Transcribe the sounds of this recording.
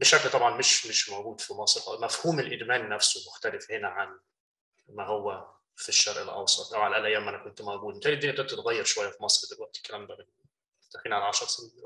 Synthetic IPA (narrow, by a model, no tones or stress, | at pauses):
bɪʃæklt̪ˤɑbʕɑnmɪʃmɪʃmawɡuːd̪fimɑsˤɾʔmæfhuːmɪlʔɪd̪mæːnːæfsʊmʊxt̪ælɪfhɪnæʕan | mæɦʊwːæ | fiʃːɑɾˤʔɪlʔɑ̰wsˤɑt̪ˤʔawʕalʔælʔæjæːmʔænækʊnt̪mawɡuːd̪mɪt̪æːlid̪injæk̪ʊnt̪ʊt̪ɣæjːɑɾˤʃowajːæfimɑsˤɾd̪ɪlwæʔt̪ɪ̥kːælæmbamɪn | t̪afiːnʕalʕɑʃɑɾˤsɪnː